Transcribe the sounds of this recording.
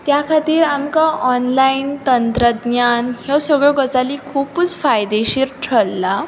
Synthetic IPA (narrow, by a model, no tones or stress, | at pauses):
t̪jakʰat̪iːɾamkaʔɔnlaint̪ənt̪ɾəd̪ɲjanhewsəɡɭɔɡət͡salikʰuput͡sfajd̪eɕiɾʈʰəlːa